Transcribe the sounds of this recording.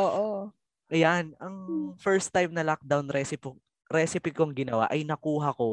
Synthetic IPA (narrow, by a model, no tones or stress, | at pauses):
ʔoːʔo | ʔɐjanɐŋfɛɹst̪ːajmnɐlak̚d̪awnɾɛsɪpɪ | ɾɛsɪpikoŋɡɪnɐwa̰ʔɐjnɐkuːɦɐko̞